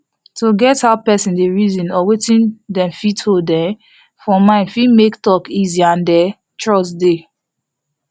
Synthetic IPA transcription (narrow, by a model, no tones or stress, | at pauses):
toɡɛthaʊpɛsĩndeɹizĩnɔwetĩndɛ̃mfitodɛ̃m | fɔmãɪ̃nfimektɔkiziãndɛ | tɹɔsde